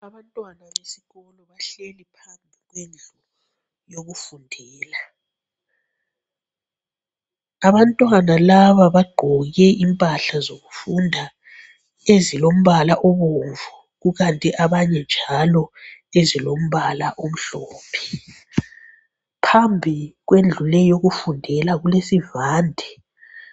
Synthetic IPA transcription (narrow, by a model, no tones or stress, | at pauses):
aβantʼwanaβesi̥ɣɔlɔβaɬelipʰambʱiɣwend͡ɮʱu | joɣufundʱɛːla | aβantʼwanalaβaβaɡ͡ǃʱɔɣɛʔimpʼaɬazoɣufundʱa | ezilom̩βalaʔɔβoɱvu | ɣuɣantʼiʔaβaɲɛnd͡ʒʱalɔezilom̩βalaʔom̩ɬɔːpʰɛ̥ | pʰambʱiɣwend͡ɮʱulɛjoɣufundʱɛlaɣulesivaːndʱɛ